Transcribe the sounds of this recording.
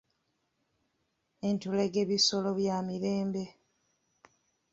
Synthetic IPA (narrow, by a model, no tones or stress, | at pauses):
e̞ntuleɡe̞βiso̞lo̞βjamiɾeːmbe̞